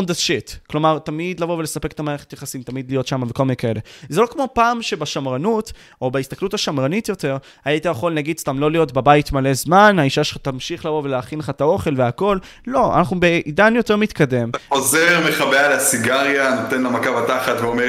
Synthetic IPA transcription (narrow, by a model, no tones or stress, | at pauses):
od̪aʃit̪klo̞maʁt̪amid̪lavo̞vele̞sapeketamaʁeet̪jaχasimt̪amid̪lijo̞t̪ʃamavekolminekae̞lezelo̞kmo̞paːmʃebaʃamʁanut | o̞baist̪aklutaʃamʁanitjo̞te̞ʁ | aait̪ajaχo̞lnaɡid̪st̪amlo̞lijo̞tbabait̪male̞zmanaiʃaʃelχat̪amʃiχlavo̞ve̞leaːχinleχat̪ao̞χe̞lveako̞lː | o̞a̰naχnubeʔidanjo̞teʁmit̪kade̞mtaozeʁme̞χabealasiɡaʁjanot̪enlamakavataχatveome